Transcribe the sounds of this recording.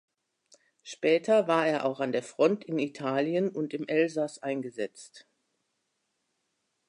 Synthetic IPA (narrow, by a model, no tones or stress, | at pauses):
ʃpɛːtʰɐvaːɐeːɐʔaʊxandeːɐfʁ̥ɔntɪnitʰaːljənʊntɪmʔɛlzasʔaɪnɡəzɛt͡st